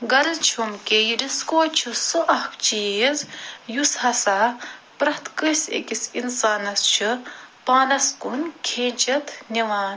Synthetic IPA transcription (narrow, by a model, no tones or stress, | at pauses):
ɡɐɾzt͡ʃʰumkejiɾiskoːt͡ʃʰɨsɨʔɐhkt͡ʃiːzjushɐsaːpɾɐht̪ʰkɨsʲḛkisinsaːnɐst͡ʃʰɨpaːnɐskunkʰeːnʲt͡ʃɐt̪ʰnʲiʋaːn